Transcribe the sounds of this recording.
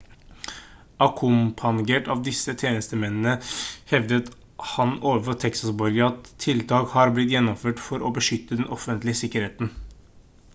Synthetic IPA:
ɑkʰʊmpʰɑnɡeːʈɑʋd̪ɪsːət̪ʰjeːnəst̪əmɛnnəhɛʋd̪ət̪ | hɑnoːʋəfɔt̪ʰɛksɑsbɔɾɡəɑt̪ʰːɪlt̪ʰɑːkhɑɾblɪt̪̬jɛnːɔmføːʈfɔɾobəʂʏt̪ːəd̪ɛnʔɔfənt̪lɪəsɪkːəɾheːt̪n

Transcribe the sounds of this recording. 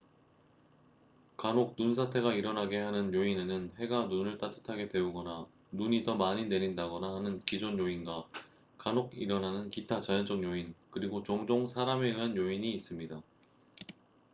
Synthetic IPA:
kanok̚nuns̬ʰatʰe̞ɡaiɾʌnɦaɡe̞ɦanɯnjoinenɯnhe̞ɡanunɯɭt͈atʰɯ̥tʰaɡe̞dwe̞uɡʌna | nuɲidʌmaɲine̞ɾindaɡʌnahanɯnkid͡ʑonjoinɡwa | kanoɡiɾʌnanɯnkitʰat͡ɕajʌnd͡ʑʌŋjoinkɯɾiɡot͡ɕoŋd͡ʑoŋsʰaɾameɯanjoiɲiːs͈ɯmɲida

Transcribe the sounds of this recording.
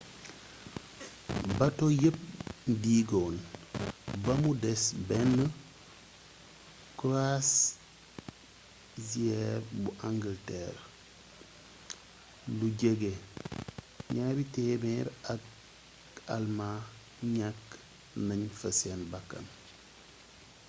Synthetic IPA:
bɐtojəp̚diɡɔn | bɐmudɛsbɛnːə | kuɾas | ziɛɾbuʔaŋɡəltɛɾ | luɟeɡe | ɲaːbitɛbɛɾak | alma | ɲak | naɲfəsɛnbakːɐ̰n

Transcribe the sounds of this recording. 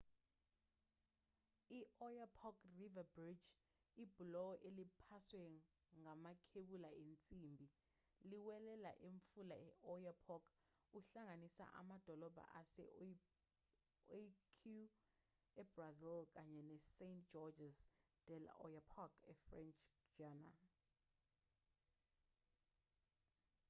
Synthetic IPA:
iʔɔjapʰɔkrivabrid͡ʒ | ib̥ʱulɔɔʔelipʰaswɛ | ŋamakʰeɓulaent͡sʼimbʱi | liwɛlɛla̰ʔeɱfulaɛʔɔjapʰɔk | uɬaŋanisa̰ʔa̰mad̥ʱɔlɔb̥ʱa̰ʔasɛ̰ | kʰu | ɛbrazilk̬ʼaɲɛnɛsentd͡ʒ̥ɔd͡ʒɛzd̥ɛl̰ɔ̰japʰɔkɛfrɛnt͡ʃʰʼd͡ʒana̰l

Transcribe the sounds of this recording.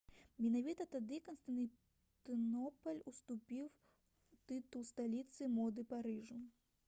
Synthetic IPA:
mʲɛnavʲit̪ɐt̪ad̪ɨkɔnst̪ɐn | t̪ɨnɔpɐlʲust̪upʲiw | t̪ɨt̪ulˠst̪alʲit̪sɨmɔd̪ɨpaɾɨʐu

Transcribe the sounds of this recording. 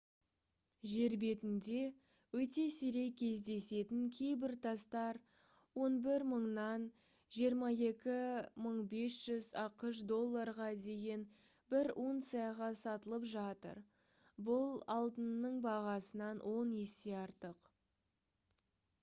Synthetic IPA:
ʒe̞ɾbe̞t̪ɪnd̪e̞ | wɵt̪e̞seɾe̞jkʲʰe̞zd̪e̞se̞t̪ɪŋkʲʰe̞jbɪɾt̪ʰɑst̪ɑɾ | wo̞nbɪɾməɴnɑn | ʒijəɾmɑje̞kʲɪməɴbe̞sʒ̥ʏzɑqəʃd̪o̞lˠːɑɾʁɑd̪e̞ɡʲe̞n | bɪɾʔunt̪sijɑʁɑsɑt̪əlˠəpʒɑt̪ə̰ɾ | bʊlˠɑlˠd̪ənːəɴbɑʁɑsənɑnwʔo̞nje̞se̞ɑɾt̪əq

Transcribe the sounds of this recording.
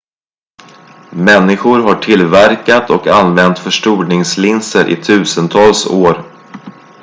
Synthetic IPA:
mɛnːɪɧʊɾɦaʈʰɪlvæɾkat̪ʰɔkanvɛnt̪fœʂʈuːɳɪŋslɪnsəɾʔɪ̰t̪ʰʉ̟ːsənt̪ʰɑːlsoːɾ

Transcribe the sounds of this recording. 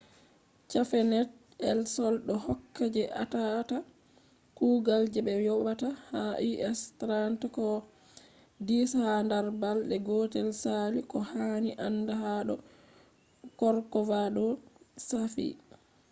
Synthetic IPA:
t͡ʃafɛnɛt | ɛlsɔlɗɔhɔkːad͡ʒɛʔa̰tata | kuːɡald͡ʒɛbɛjɔɓatahaʔiʔɛstɾantkɔ | dishandaɾbalɗɛɡɔtɛlsalikɔhaniʔanːdaɦaɗɔ | kɔɾkɔvaɗɔsafḭ

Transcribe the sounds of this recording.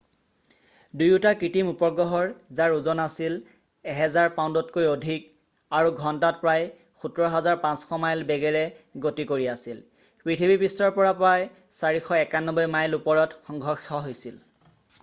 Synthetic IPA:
dujutakɹitimupɔɹɡɹɔɦɔɹzaɹuzɔnasil | ɛɦɛzaɹpaw̃ndɔtkojodʱik̚ | aɹuɡʱɔntat̚pɹaj | xutɔɹɔɦɛzaɹpãsxʰɔmajlbɛɡɛɹɛɡotikoɹiasil | pɹitʰibʱipistɔɹpɔɹapɹaj | saɹixɔɛkanːɔbɔjmajlupɔɹɔtxɔŋɡʱɔɹxɔɦojsil

